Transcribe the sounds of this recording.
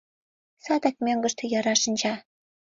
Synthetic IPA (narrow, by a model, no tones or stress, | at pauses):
sɑd̪ɑk̚mʲøŋɡɤ̆ʃt̪ʰɤ̆jɑɾɑʃɤ̆nd͡ʑɑ